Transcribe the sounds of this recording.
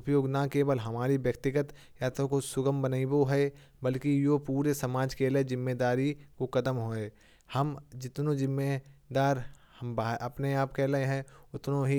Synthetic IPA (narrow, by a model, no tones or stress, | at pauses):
ʊpjoːɡnakeːʋəlɦɐmaːɾiʋjəkt̪ɪɡət̪ | jaːt̪okosʊɡəmbənaiboɦɛ | bɐlkijopuːɾesɐmaːd͡ʒkelezɪmːed̪aːɾikokɐt̪əmɦoːẽː | hɐmd͡ʒɪt̪nõzɪmːed̪aːɾhəmbʔɐpneaːpkɛlɐɦẽɦɛ̃ʊt̪nõɦi